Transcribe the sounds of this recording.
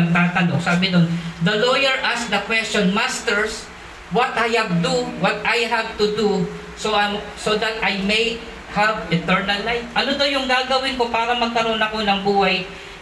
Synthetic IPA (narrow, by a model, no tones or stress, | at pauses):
ɐɡ̚t̪aːt̪ɐlosaːbɪnond̪ɐlojɛɹʔasd̪ɐkwɛst͡ʃɔnmast̪ɛɹs | wɐt̪ʔajhɐb̚d̪uwɔt̪ajɦav̚t̪ʊd̪u | soʔsod̪ɐt̪ʔajmej | havɪt̪ɛɹnɐlːajfʔɐnod̪ojʊŋɡaːɡɐwɪnko̞paːɾɐmɐɡ̚kɐɾo̞nɐko̞nɐŋbuːhaj